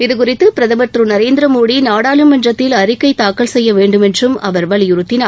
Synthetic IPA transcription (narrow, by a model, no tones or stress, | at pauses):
ɪðɯk̬ʊrɪt̪ːɯpɪɾɐðɐmɐʈ̪rɯnɐɾeːnd̪ɪɾɐmoːɽinaːɽaːlɯmːɐnrɐt̪ːɪlɐɾɪkːɐɪt̪aːkɐɭsɛjːɐʋeːɳɖɯmɛndrɯmɐʋɐɾʋɐɭɪjʊɾɯt̪ːɪnaː